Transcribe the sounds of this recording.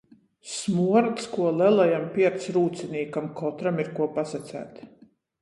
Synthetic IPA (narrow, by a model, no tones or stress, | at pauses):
smuɔɾt̪skuɔlɛlˠajampʲiɛɾt̪sɾuːt̪siniːkamkɔt̪ɾamiɾkuɔpasat̪sæ̰ːt̪